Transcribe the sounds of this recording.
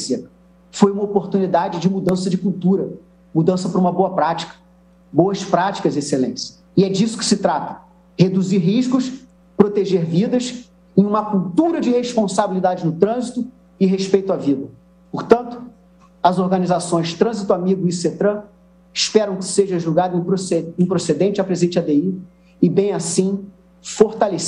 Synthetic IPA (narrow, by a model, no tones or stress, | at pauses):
se | fojũmɐopoɾt̪unid̪ad͡ʒɪd͡ʒɪmud̪ɐ̃sɐd͡ʒɪkuwt̪uɾɐ | mud̪ɐ̃sɐpɾũmɐboɐpɾat͡ʃi̥kɐ̥ | bowɐspɾat͡ʃi̥kɐzeselẽt͡ʃɪ̥ | ɪɛd͡ʒisʊ̥kɪ̥sɪt̪ɾat̪ɐ̥ | hed̪uziɾɦiʃkʊs | pɾot̪eʒeɾvid̪ɐs | ẽj̃ũmɐkuwt̪uɾɐd͡ʒɪheʃpõsabilid̪ad͡ʒɪnʊt̪ɾɐ̃zit̪ʊ | ɪɦeʃpejt̪ʊavid̪ɐ | poɾt̪ɐ̃nt̪ʊ̥ | ɐzoɾɡɐnizasõj̃zd͡ʒɪ̥t̪ɾɐ̃zit̪ʊamiɡʊiset̪ɾɐ̃ | ɪʃpɛɾɐ̃w̃kɪ̥seʒɐʒuwɡad̪ʊẽj̃pɾoseẽj̃pɾosed̪ẽnt͡ʃɐpɾezẽnt͡ʃad̪ei | ɪbẽj̃asĩ | foɾt̪ales